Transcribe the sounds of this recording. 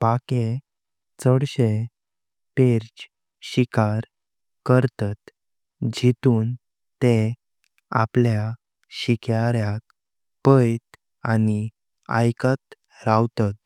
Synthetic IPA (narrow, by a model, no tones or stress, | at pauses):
pake | t͡səɽɕe | peɾt͡ɕ | ɕikaɾ | kəɾt̪at̪ | d͡ʑʱit̪uːn | t̪e | a̰plja | ɕikjaɾjak | pəjt̪ | ani | a̰jkat̪ | ɾawt̪at̪